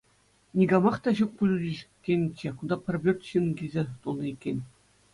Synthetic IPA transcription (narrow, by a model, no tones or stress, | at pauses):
nʲiɡɑmɑχt̪ɑʑuk̚pulʲudʲiɕkʲːenʲt͡ɕĕkund̪ɑpʲɘ̆rʲbʲørt̪ɕɯnɡʲizʲet̪ulˠnɤikʲːenʲ